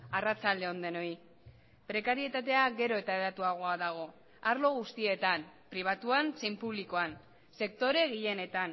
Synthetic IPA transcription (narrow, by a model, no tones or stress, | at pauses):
arat͡sald̪eo̞nd̪e̞no̞i | pɾe̞kaɾie̞t̪at̪e̞aɡe̞ɾo̞e̞t̪aeat̪uaɣ̞o̞aðaɣ̞o̞ | aɾlo̞ɣ̞ust̪ie̞t̪ampɾiβ̞at̪uansejmpuβliko̞an | se̞k̚t̪o̞ɾe̞ɣiʎe̞ne̞t̪an